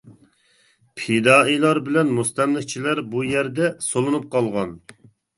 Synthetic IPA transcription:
pʰed̪ɑːilˠɑɾbɪlɛnmust̪ɛmlɪk̚ʲt͡ʃʰilæɾbujæɾd̪ɛsolˠɨnup̚qʰɑlˠʁɑn

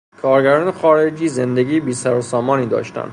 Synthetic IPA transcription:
kʰɒːɾɟæɾɒːnexɒːɾed͡ʒiːzend̪eɟiːbiːsæɾosɒːmɒːniːd̪ɒ̰ːʃt̪æ̰nd̪

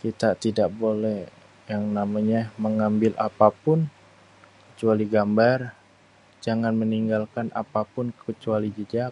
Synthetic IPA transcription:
kit̪at̪idaʔbolɛh | jaŋnamaɲaməŋambɪlʔa̰papʊn | kə̥t͡ʃualiɡambar | d͡ʒaŋanməniŋɡalkanʔa̰papʊnkət͡ʃualid͡ʒəd͡ʒa

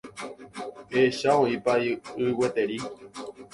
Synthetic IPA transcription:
eʃaõĩpaiɨwe̞t̪e̞ɾi

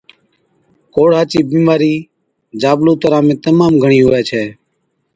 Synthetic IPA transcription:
koːɽ̤aːt͡ʃiːbĩːmaːɾiː | d͡ʒaːbloːt̪əɾãːmẽːt̪əmaːmɡʱəɳ̃iːɦoːɛːt͡ʃʰɛː

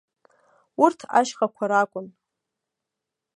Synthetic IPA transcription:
urtʰa̰ʃχakʷʰaɾakʷʼʊn

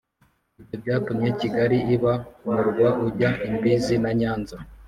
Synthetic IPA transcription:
ibɟobɟaːtumjeciɡaɾiiβamuɾɡwaʔuɟaʔimbiːzinaɲaːnza

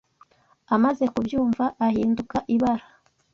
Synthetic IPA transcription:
amaze̞kubjuːɱvaʔahiːndukaʔiβaɾa

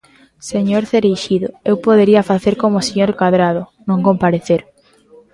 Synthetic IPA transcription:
seɲoɾθeɾejʃiðʊ̰ewpoðeɾiafaθeɾkomoseɲoɾkaðɾað̞ʊnõŋkompaɾeθeɾ

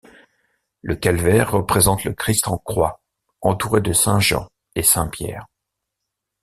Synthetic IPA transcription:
lʔəkʲalvɛʁːəpχezɑ̃t̪ləkχist̪ɑ̃kχwa | ɑ̃t̪uʁed̪əsɛ̃ʒɑ̰̃ | esɛ̃pjɛ̰ːʁ

